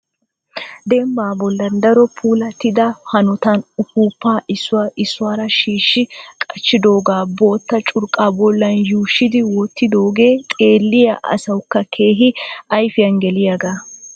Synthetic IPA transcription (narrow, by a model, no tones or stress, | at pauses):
d̪ɛmbaːbɔlːɐnd̪ɐɾɔpʰuːlɐt̪ɪd̪ɐhɐnɔt̪ɐnʊkuːpːaːʔɪsːʊwaːʔɪsːʊaːɾɐʃiːʃːɪkʼɐt͡ʃːɪd̪o̞ːɡaːbo̞ːt̪ːɐt͡ʃʼʊɾkʼaːbɔlːɐnjuːʃːɪd̪ɪwɔt̪ːɪd̪o̞ːɡe̞ːt̪ʼe̞ːlːɪjɐ̰ʔɐ̰sɐwkːɐkʰe̞ːɦɪɐjfɪjɐnɡɛlɪjɐɡaː